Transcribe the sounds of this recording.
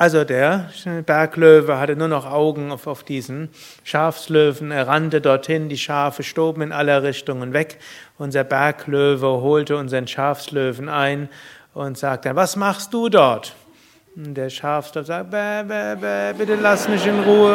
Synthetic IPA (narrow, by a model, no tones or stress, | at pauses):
ʔalzodeːɐbɛɐkløːvəɦatənuːɐnɔχʔaʊɡŋ̩afaʊfd̥iːzn̩ | ʃaɐfsløːvn̩eːɐʁantədɔɐthɪndiːʃaːfəʃtoːbm̩ɪnʔaləʁɪçtʊŋənvɛkʔʊnzɐbɛɐkløːvəɦoːltəʊnzɐʁənʃaɐfsløːvn̩aɪnʔʊntz̥aːk̚tə̥anvasmaχst̚d̥uːdɔɐt | nd̥eːɐʃaɐfsløːfzaːɛvɛvɛbɪtəlasmɪçtɪnʁuːə